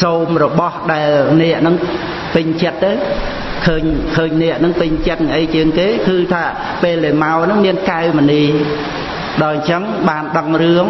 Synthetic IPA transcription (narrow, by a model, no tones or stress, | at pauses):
soːmrɔɓɑhɗaɛlnɛ̆əʔnɨŋ | pɨɲt͡ɕət̪ːəw | kʰəːɲkʰəːɲnɛ̆əʔnɨŋpɨɲt͡ɕət̪̚nŋʔəjt͡ɕiəŋkeːkɨːt̪ʰaː | peːlɗəːmaɔnɨŋmiənkaɛməniː | ɗaɔɲt͡ɕəŋɓaːnɗəŋrɨəŋ